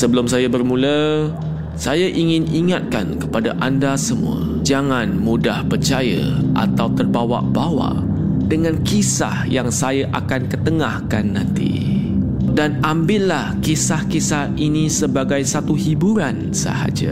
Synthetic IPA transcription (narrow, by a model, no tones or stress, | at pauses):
səbəlʊmsajabərmũlə | sajaʔiŋɪ̃niŋat̪̚ka̰nkəpadaʔandasəmṵə̰ | d͡ʒaŋãnmudahpərt͡ʃaja̰ʔa̰t̪awt̪ərbawa̰ʔbawa̰ʔ | dəŋãnkisa̰hjaŋsajaʔakankət̪əŋahkanːãnt̪ḭ | danambɪllahkisahkisahinisəbaɡajsat̪uhibuɾan | sə̰ha̰d͡ʒa̰